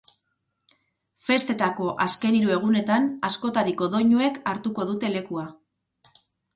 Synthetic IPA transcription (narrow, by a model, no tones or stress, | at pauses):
fe̞st̪e̞t̪ako̞ʔaske̞niɾue̞ɣ̞une̞t̪anasko̞t̪aɾiko̞ðo̞ɲue̞kaɾt̪uko̞ðut̪e̞le̞kua